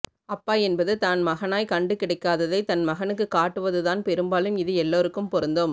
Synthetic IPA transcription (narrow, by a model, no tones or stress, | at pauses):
ɐpːaːɛnbɐðɯt̪aːnmɐɣɐnaːjkɐɳɖɯkɪɽɐɪkːaːðɐðɐɪt̪ɐnmɐɣɐnɯkːɯkaːʈːɯʋɐðɯðaːnpɛɾɯmbaːlɯmɪðɯɛlːoːɾɯkːɯmpɔɾɯnd̪oːm